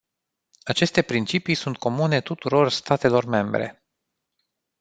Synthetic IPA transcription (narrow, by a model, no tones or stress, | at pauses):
at͡ʃe̞st̪e̞pɾint͡ʃipijsunt̪̚kʰo̞mune̞t̪ut̪uɾo̞rst̪at̪e̞lo̞rme̞mbɾḛ